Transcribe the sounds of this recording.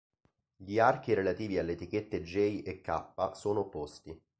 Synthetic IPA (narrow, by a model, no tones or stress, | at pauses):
ʎiark̟iɾelat̪iːvialːet̪ik̟et̪ːed͡ʒːɛjʔekːa̰pːasoːnopːost̪i